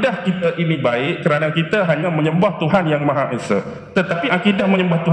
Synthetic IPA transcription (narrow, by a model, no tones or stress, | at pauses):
dahkit̪aʔinibaɪʔkəɾanakit̪aɦaɲaməɲəmbaht̪uɦanjaŋmãɦaʔesə̰ | t̪ət̪apiʔakidahməɲəmbaht̪uɦ